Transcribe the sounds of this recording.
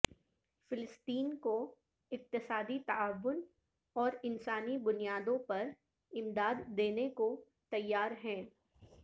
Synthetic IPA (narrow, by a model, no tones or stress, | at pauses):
fɪlɪst̪iːnko | ɪq̚t̪ɪsaːd̪it̪ɐaːʋːʊn | ɔːɾɪnsaːnibʊnijaːd̪õpɐɾ | ɪmd̪aːd̪ːeːneko | t̪ɐjːaːɾɦɛ̃ː